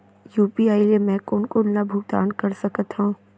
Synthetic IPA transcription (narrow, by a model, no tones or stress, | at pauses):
juːpiaːiliemɛ̃ːkoːnkolnabʱʊːɡ̚d̪a̰ːnkɐɾsɐkət̪ɦũː